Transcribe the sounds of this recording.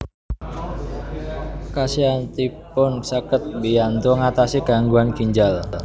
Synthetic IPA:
kasiant̪ipʊnsakət̪̚bijant̪oŋat̪asiɡ̥a̤ŋɡuankiɲd͡ʒal

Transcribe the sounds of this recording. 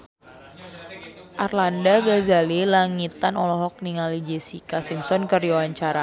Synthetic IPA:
ʔarlandaɡazalilaŋit̪anɔlɔɦɔk̚niŋalid͡ʒesikasimsɔnkərjawaɲt͡ʃaɾa

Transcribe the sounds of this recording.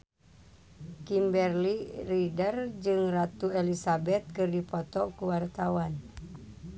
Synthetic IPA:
kimbɛrliridərd͡ʒɨŋrat̪uɛlisabɛt̪̚kɨrdipɔt̪ɔkuwart̪awan

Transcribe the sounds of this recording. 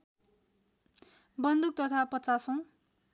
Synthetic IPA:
bʌnd̪uk̚t̪ʌt̪ʰapʌtt͡sasõ

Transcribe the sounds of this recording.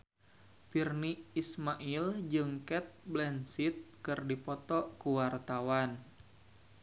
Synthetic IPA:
pirniːsmaʔild͡ʒɨŋkɛt̪̚blɛnsit̪̚kɨrdipɔt̪ɔkuwart̪awan

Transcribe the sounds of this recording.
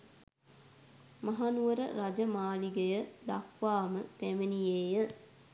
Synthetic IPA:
maɦanuʋəɾə̰ɾad͡ʒəmaːliɡejəd̪akʋaːməpæmenijeːjə

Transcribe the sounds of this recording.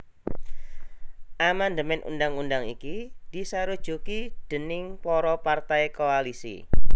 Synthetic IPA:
ʔamand̪əmɛnʔṵndaŋundaŋḭkid̪̥isaɾu̥ʒ̥ukid̥ə̤nɪŋpɔɾɔpart̪ajkoalisḭ

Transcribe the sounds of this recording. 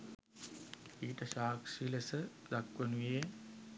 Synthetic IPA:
iːʈəʃaːkʂiləsəd̪akʋənuʋije

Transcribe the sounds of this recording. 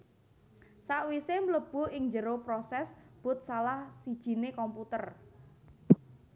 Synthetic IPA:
saʔwisemləb̥o̤ɪŋd͡ʒəɾopɾɔsɛsb̥ʊ̤t̪̚salahsid̥ʒ̥i̤nekɔmput̪ər

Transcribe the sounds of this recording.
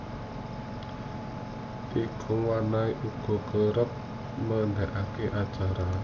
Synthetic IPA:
t̪ikʰʊŋwanaiʔuɡ̥ɔ̤kəɾəp̚ | məɳɖaʔakeʔat͡ʃaɾa

